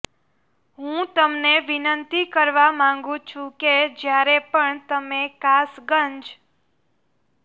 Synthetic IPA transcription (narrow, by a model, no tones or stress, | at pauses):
ɦũt̪əmneʋɪnənt̪ikəɾʋamãŋɡũt͡ʃʰũked͡ʒjaɾepəɳt̪əmekasɡəɲd͡ʒ